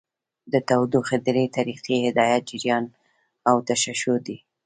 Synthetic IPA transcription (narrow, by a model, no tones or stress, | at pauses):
d̪ət̪awd̪uxɪd̪ɪɾət̪aɾiqihɪd̪ɑjat̪̚d͡ʒɪɾjɑn | awt̪aʃaʃʊd̪i